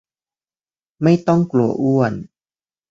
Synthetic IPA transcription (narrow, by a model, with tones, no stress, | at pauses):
ma˥˩jt̪ɔ˥˩ŋklu˨˩ɐəʔu˥˩ən